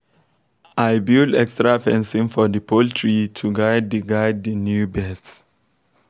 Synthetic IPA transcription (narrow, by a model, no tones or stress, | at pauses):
ajbidɛkstɹafɛ̃nsĩŋfɔdəpʰoltʰɹitʰuɡajd̚dəɡajd̚dənjubɛsts